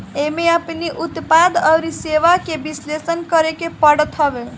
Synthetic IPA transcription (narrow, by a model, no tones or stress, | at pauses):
emeəpniʔut̪pad̪ʌwɾiseʋakebislesənkʌɾekepʌɽt̪ʰʌbe